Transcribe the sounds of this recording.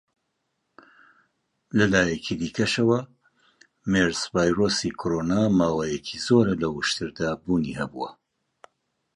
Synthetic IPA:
lɐlaːjɛkʰid̪iːkʰɐʃɐwɐ | meɾsvaːjroːsikʰoɾoːnaːmaːwaːjɛcʰizoːɾɐlɐwɨʃt̪ɨɾd̪aːbuːnihɐbṵwɐ̰

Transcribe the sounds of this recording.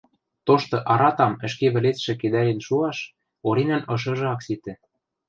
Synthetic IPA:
t̪oʃt̪ɤ̆ʔɑɾɑt̪ɑmɘ̆ʃkeβɘ̆let̪ʃɘ̆ked̪æɾʲĕnʃuɑʃ | oɾinænɤ̆ʃ̬ɤ̆ʒɤ̆ɑkset̪ɘ̆

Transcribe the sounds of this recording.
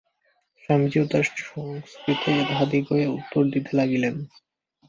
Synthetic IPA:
ʃamd͡ʑit̪aɾoŋsk̪ɾit̪ʰet̪aɦad̪ikoeut̪ːoɾd̪it̪elaɡilen

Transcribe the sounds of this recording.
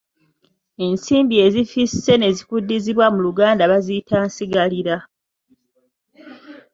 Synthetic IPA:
e̞nsiːmbie̞zifise̞ne̞zikudːiziβwamuluɡaːndaβazitʰaːnsiɡaliɾa

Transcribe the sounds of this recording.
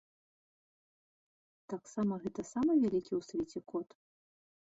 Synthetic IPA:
t̪aksamɐɣɛt̪ɐsamɐvʲalʲikʲiwsvʲet͡sʲɛkɔt̪

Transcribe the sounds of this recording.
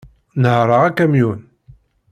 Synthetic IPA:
nəhɾˤəʁækːæmjun

